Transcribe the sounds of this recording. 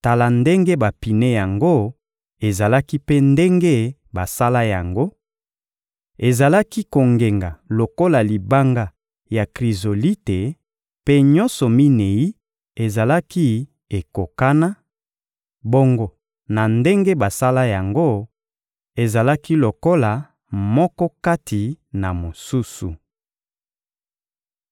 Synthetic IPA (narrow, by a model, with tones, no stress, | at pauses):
ta˨la˨nde˦ŋɡe˦ba˨pi˨ne˦ja˨ŋɡo˦ | e˨za˨la˦ki˦pe˦nde˦ŋɡe˦ | ba˨sa˦la˦ja˨ŋɡo˦ | e˨za˨la˦ki˦ko˨ŋɡe˨ŋɡa˨lo˨ko˦la˨li˨ba˦ŋɡa˦ | ja˨kʁi˨zo˨li˦te˨ | pe˦ɲɔ˦nsɔ˨mi˦ne˨ji˦ | e˨za˨la˦ki˦ | e˨ko˨ka˦na˦ | bo˦ŋɡo˨ | na˨nde˦ŋɡe˦ba˨sa˦la˦ja˨ŋɡo˦ | e˨za˨la˦ki˦lo˨ko˦la˨ | mɔ˦kɔ˦ka˦tʰi˨na˨mo˨su˦su˨